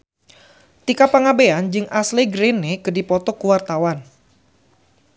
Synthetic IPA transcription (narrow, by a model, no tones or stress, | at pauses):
t̪ikapaŋabeand͡ʒɨŋʔasleɡɾenekədipɔt̪ɔkuwart̪awan